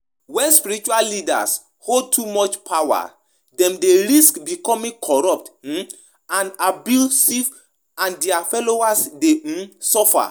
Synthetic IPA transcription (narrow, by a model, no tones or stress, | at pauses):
wɛ̃nspiɹɾit͡ʃuallida̰s | hold̚tʰumɔt͡ʃpʰawa̰ | dɛ̃mdeɾiskbikɔmĩŋkʰɔɹɔp̚t̩ | ãnabjusiv | ãndɛafɛloasdesɔfa̰